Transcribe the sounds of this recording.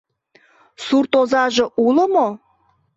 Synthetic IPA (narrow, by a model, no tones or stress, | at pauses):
surt̪ozɑʒeʔuləmo